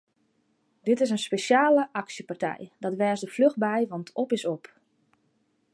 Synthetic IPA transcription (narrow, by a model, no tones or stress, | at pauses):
dɪtɪsənspesjaːləʔɑksjəpartɛ̰jdɔtʋɛːsdəflɵɣbɛjʋɑntʰɔpɪsɔp